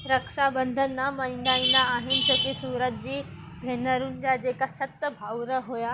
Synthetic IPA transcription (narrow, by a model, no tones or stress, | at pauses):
ɾəkʃabə̃nd̪ʱənːamaɪ̃nd̪ainaːɦɪnd͡ʑoːkisuːɾət̪̚d͡ʑiː | bʱenəɾunɪ̆d͡ʑad͡ʑeːkasɐt̪ːəbʱawɾəɦoja